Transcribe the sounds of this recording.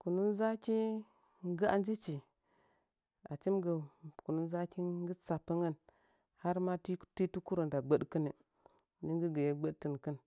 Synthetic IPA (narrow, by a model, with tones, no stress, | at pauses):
ku˨nu˦nza˦kʲi˦ | ŋ˦ɡə˦a̰˦nd͡ʒi˦t͡ʃi˨ | a̰˨t͡ʃi˦mɡə˨ku˨nu˦nza˦ki˦ŋ˦ɡə˦t͡sa˨pːə˦ŋə˦˨n | ha˦ɾma˦tti˦tu˦ku˦ɾo˨nda˨ɡ͡bə˦ɗkə˦ne˨ | ni˦ŋɡə˦ɡə˨je˦ɡ͡bə˦dtə˨nkə˦n